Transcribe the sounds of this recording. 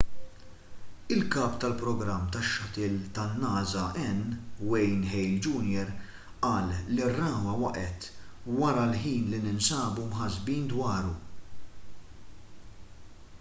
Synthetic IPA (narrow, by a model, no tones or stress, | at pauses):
ɪlkɐːpt̪ɐlpɾɔɡɾɐmːt̪ɐʃːɐt̪ɪːlt̪ɐnːɐːzɐʔɛnːwɛjnħɛjld͡ʒuːnjɛɾ | ʔɐːlːirːɐːwɐwɐʔɛt̪wɐɾɐlħiːnlinɪnsɐːbumħɐzbiːnd̪wɐːɾu